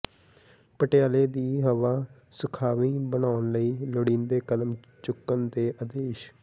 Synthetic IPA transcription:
pəʈɪjaːleːd̪iːɦəʋaː | sʊkʰaːʋĩːbənaːnləiːlʊɽĩːnd̪eːkəd̪əm | t͡ʃʊkːənd̪eːʔəd̪eːʃ

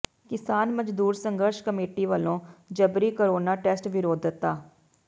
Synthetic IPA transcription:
kɪsaːnməd͡ʒd̪uːɾsəŋɡəɾʃkəmeːʈiːʋəlõːd͡ʒəbɾiːkəɾoːnaːʈɛːsʈʋɪɾoːd̪ət̪ːaː

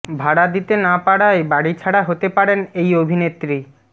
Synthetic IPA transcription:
bʱaɽad̪it̪enapaɽaebaɽit͡ɕʰaɽaɦot̪epaɾenejobʱinet̪ːɾi

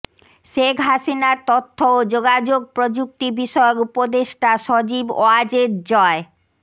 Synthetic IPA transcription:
ʃekʰɦaʃinaɾt̪ot̪ʰːood͡ʑoɡad͡ʑoɡ̚pɾod͡ʑuk̚t̪ibiʃɔeokupod̪eʃʈaʃɔd͡ʑibo̰ad͡ʑeɾd͡ʑɔe

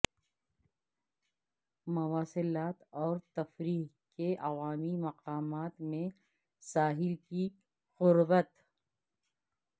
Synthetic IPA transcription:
mɐwaːsɪlaːt̪ɔːɾt̪ɐfɾiːɦ | keʔɐʋaːmimɐqaːmaːt̪mẽ | saːɦɪlki | ɣʊɾbət̪

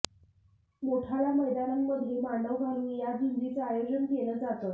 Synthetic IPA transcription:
moʈʰalaməjd̪ananːəd̪ʱːjemaɳɖəʋbʱamiːjad͡ʑund̪it͡sajelənɡeləːd͡zat̪ət̪

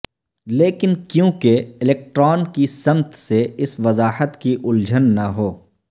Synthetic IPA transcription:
leːkɪnkjõːkeɪleːk̚ʈɾɔːnkisɐmt̪seɪsʋɐzaːhət̪kiʔʊld͡ʒʱənːɐɦoː

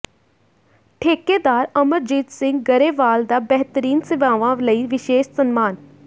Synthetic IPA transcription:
ʈʰeːkeːd̪aːɾəməɾd͡ʒiːt̪sɪ̃ŋɡɡəɾeːʋaːld̪aːbɛɦt̪əɾiːnsɪʋaːʋãːləiːʋɪʃeːʃsənmaːn

